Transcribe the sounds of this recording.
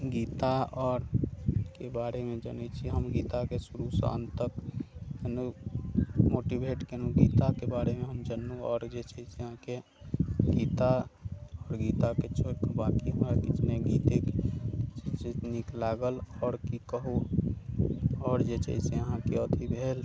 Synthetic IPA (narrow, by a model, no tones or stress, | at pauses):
ɡiːt̪aɔːɾkebaːɾemẽd͡ʒə̰nɛt͡ʃʰiɦəmɡiːt̪akesʊɾusã̰nt̪əkenu | moːʈibʱeʈkenuɡiːt̪akebaːɾemẽɦəmd͡ʒənuɔːɾd͡ʒet͡ʃəɪseəɦãke | ɡiːt̪aɔːɾɡit̪aket͡ʃʰoɾkəbakiɦəmɾakit͡ʃneɡit̪eket͡ʃid͡ʒniklaɡəlɔːɾkikəɦu | ɔːɾd͡ʒet͡ʃə̰ɪseəɦãkeət̪ʰibʱel